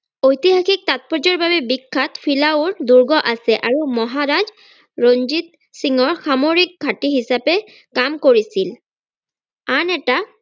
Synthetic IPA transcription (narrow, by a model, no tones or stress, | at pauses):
ojtiɦaxik̚tat̚pɔzɔɹbabɛbikʰːatpʰilaʊɹduɹɡɔʔasɛʔaɹumɔɦaɹaz | ɹonzit̪ | siŋɔɹxamoɹik̚ɡʱatiɦisapɛ | kamkoɹisil | anɛta